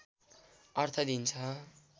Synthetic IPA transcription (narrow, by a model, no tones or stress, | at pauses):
ʌrt̪ʰʌd̪int͡sʰʌ